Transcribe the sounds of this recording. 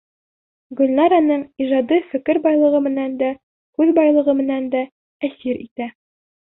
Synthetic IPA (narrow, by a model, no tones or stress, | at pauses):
ɡɵ̆lnɑɾɑnɤɴiʒɑd̪ifɘ̆kɘɾbɒjlˠɤ̆ʁɤmɘ̆nænd̪æ | kʉðbɒjlˠɤ̆ʁɤmɘ̆nænd̪æ | æsiɾḭt̪æ